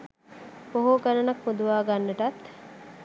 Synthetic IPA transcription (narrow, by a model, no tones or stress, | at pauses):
poɦoɡɐɾɐnɐkmud̪uʋaːɡanːɐʈɐt̪